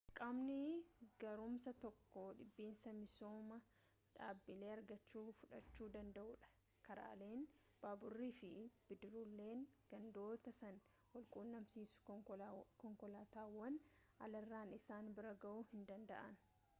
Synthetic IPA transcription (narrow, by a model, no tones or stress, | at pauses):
kʼamnɪɡɐɾʊmsɐt̪ɔkːoᶑɪbːiːnsɐmɪsoːmɐ | ᶑaːbːɪle̞ːɐɾɡɐt͡ʃːuːfʊᶑɐt͡ʃːuːd̪ɐnd̪ɐʔuːᶑɐ̥ | kɐɾa̰ːle̞ːn | b̥aːbʊrːiːfɪb̥ɪd̪ɪɾulːe̞ːŋɡ̥ɐnd̪o̞ːt̪ɐsɐn | wɔlkʼuːnːɐmsiːsʊ̥ | kɔŋkɔlaːt̪aːwːɐn | ɐ̰lɐrːaːnɪsaːnbɪɾɐɡɐʔuhɪnd̪ɐnd̪ɐ̰ʔɐn